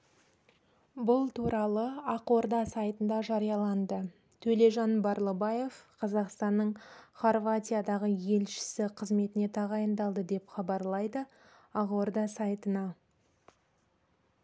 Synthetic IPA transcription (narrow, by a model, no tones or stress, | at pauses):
bʊlˠt̪ʰuɾɑlˠəɑqoɾd̪ɑsɑjt̪ənd̪ɑʒɑɾijɑlˠɑnd̪ə | t̪ʰɵle̞ʒɑnbɑɾlˠɑbɑje̞vqʰɑzɑqst̪ɑnːəɴχorvat̪ʲijad̪ɑʁəje̞lʃɪ̥sɪqʰəzme̞t̪ɪne̞t̪ʰɑʁɑjənd̪ɑlˠd̪əd̪e̞pχɑbɑɾlˠɑjd̪ə | ɑqord̪ɑsɑjt̪ənɑ